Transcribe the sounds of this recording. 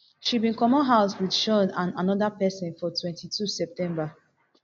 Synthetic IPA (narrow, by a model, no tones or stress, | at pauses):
ʃibĩnkɔmɔ̃nɦaʊswidʃɔnãnanɔdapɛsɔ̃nfɔtʰwɛ̃ntitʰusɛp̚tɛ̃mba